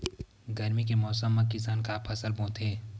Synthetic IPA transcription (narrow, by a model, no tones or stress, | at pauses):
ɡɐɾmikemɔːsəmːãkɪsaːnkapʰɐsəlbõːt̪ɦeː